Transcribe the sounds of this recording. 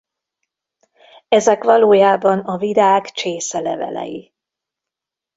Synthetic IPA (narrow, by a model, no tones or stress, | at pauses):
ɛzɛkʋɒloːjaːbɒnɒvid̪aːkt͡ʃeːsɛlɛ̰vɛ̰lɛ̰ji